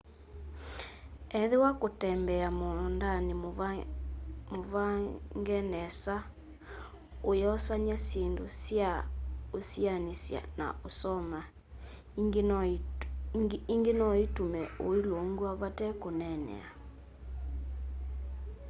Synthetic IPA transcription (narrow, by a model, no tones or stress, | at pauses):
ɛðewakotɛmbɛamɔndane | movaŋɡɛnɛsa | ojɔsaɲasendosjaosianesja̰na̰osɔma | iŋɡenɔitumɛoiloŋɡuaβatɛkonɛnɛ̰a